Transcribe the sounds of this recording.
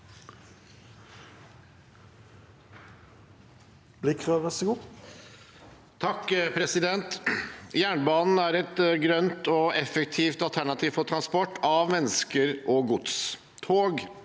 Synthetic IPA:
b̥liːkʰʁøːʋəsɔɡuː | t̪ʰɑkːpʰɾɛsɪd̪ɛnt̪jæːɳbɑːnn̩æɾɛt̪ɡɾœnt̪ɔɛfɛk̚t̪ʰiːft̪ɑlt̪ʰæɳɑt̪ʰiːʋfɔʈ̪ʰɾɑnspɔʈːɑʋmɛnːəskəɾʔɔɡʊd̪s | t̪ʰoːɡ

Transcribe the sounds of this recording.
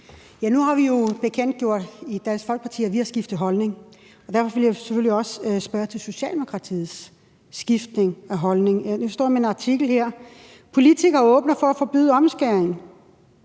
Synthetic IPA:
jænuhɑ̈ʋijo̝b̥e̝kʰen̰d̥̚ɡ̥jo̝ɐ̰d̥id̥æn̰sfɒlɡ̥̚pɑ̈t͡sʰḭːɐʋihɑ̈sɡ̥ifd̥ð̩ˠɦɒ̽lne̝ŋ | ɒ̽d̥æɐfɒ̽ʋe̝ljaseføl̰iɒ̽ssb̥ɶɐt͡sʰe̝lso̝ɕɛ̰ːld̥emo̝kʰʁɑ̈t͡sʰḭːð̩ˠsː | ɡ̥ifd̥ne̝ŋæɦɒ̽lne̝ŋnusd̥ɒ̰ːmenɑ̈t͡sʰiɡ̥l̩hɛɐ̰ | pʰo̝lit͡sʰiɡ̥ɐɔ̽ːb̥nɐfɒ̽æfɒ̽b̥y̰ðˠɒ̽msɡ̥æɐeŋ

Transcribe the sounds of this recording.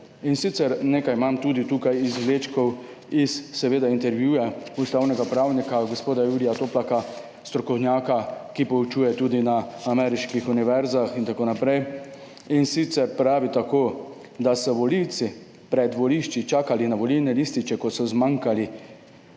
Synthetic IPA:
insit̪sɛɾneːkajmamt̪uːd̪it̪uːkajizʋleːt͡ʃkɔw | isːɛʋeːd̪aint̪ɛɾʋjuːjaust̪aːwnɛɡapɾawnikaɡospoːd̪ajulijat̪oːplaka | st̪ɾɔkɔwnjaːkakipɔut͡ʃuːjɛt̪uːd̪inaamɛːɾiʃkixuniʋɛɾzaxint̪akoːnapɾɛj | insit̪sɛɾpɾaːʋit̪akoː | d̪asɔʋɔliwt̪si | pɾɛd̪ʋɔliʃt͡ʃit͡ʃaːkalinaʋɔliwnɛlist̪it͡ʃɛkɔt̪sɔzmaŋkali

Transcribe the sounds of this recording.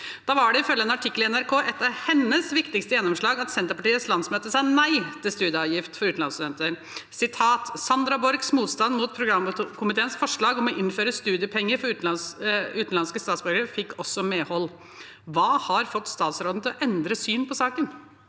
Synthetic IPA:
d̪̥ɑːʋɑɖɛɪfœljəɛnɑʈʰɪkːlɪɛnæɾkʰoːʔɛt̪ːɑʋhɛnːəsʋɪkt̪ɪkst̪əjɛnːɔmʂɭɑːɡɑt̪sɛnt̪əɾpɑʈiːət̪slɑnsmøːt̪əsɑːnæɪt̪ʰɪlst̪ʉːd̪jəɑːʋjɪft̪fɔɾʉːt̪n̩ɑnst̪ʉd̪ɛnt̪əɾ | sɪt̪ʰɑːt̪sɑnd̪ɾɑbɔɾɡsmuːt̪st̪ɑnd̪muːt̪̚pʰɾʊɡɾɑmkʰʊmɪt̪ʰeːənsfɔʂɭɑːɡɔmɔʔɪnːføːɾəst̪ʉːd̪ɪəpʰɛŋːəɾfɔɾʉːt̪n̩ʉːt̪n̩lɑnskəst̪ɑːt̪sbʏɾɡəɾəfɪkːɔsɔmeːhɔlː | ʋɑːhɑɾfɔt̪ːst̪ɑːt̪sɾoːd̪n̩t̪ɪlɔʔɛnd̪ɾəsyːnpʰɔsɑːkən

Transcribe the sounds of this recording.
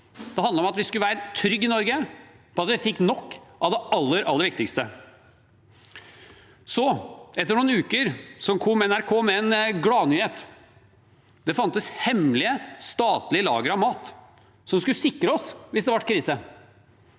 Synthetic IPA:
d̪̥ɛhɑnd̪əɾɔmɑt̪ʋɪskʉləʋæːɾət̪ʰɾʏɡːɪnɔɾɡə | pʰɔɑt̪ʋɪfɪkːnɔkːʔɑʋd̪ɛɑlːəɾʔɑlːəɾʋɪk̚t̪ɪkst̪ə | sɔʔɛt̪ːəɾɳuːnʉːkəɾsɔnkʰɔmɛnæɾkʰoːmɛɛnɡɽɑːnyːheːt̪ | d̪ɛfɑnt̪əshɛmlɪəst̪ɑːt̪lɪəlɑ̰ːɡəɾɑʋmɑːt̪ | sɔmskʉlsɪkːɾəɔsʋɪsd̪ɛʋɑʈkʰɾiːsə

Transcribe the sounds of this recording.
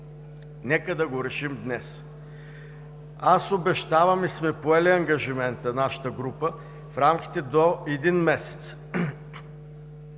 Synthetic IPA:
nɛkəd̪ɐɡoɾɛʃimd̪nɛs | asobɛʃt̪avɐmismɛpoɛliɐŋɡɐʒimɛnt̪ənaʃə̥t̪əɡɾupə | fɾamk̟ʲi̥t̪ɛd̪oɛd̪inmɛsɛ̥t̪s

